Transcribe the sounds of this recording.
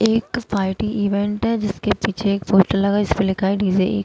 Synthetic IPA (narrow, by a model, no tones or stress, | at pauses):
eːkpaːɪʈiʔiːʋẽɳʈɦɛd͡ʒɪskepiːt͡ʃʰeːkpoːsʈəɾlɐɡaːɪsmẽlɪkʰaːiɖiːd͡ʒeḛːk